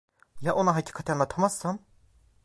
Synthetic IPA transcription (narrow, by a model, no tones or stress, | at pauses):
jaʔonaɦacʰi̥ːkʰat̪ʰanlˠat̪ʰamasːan